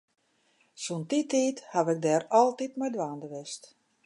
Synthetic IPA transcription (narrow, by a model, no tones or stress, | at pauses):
suntitiːthaʋɛk̚dɛːrɔlˠtitmɛjdʋaːndəʋɛst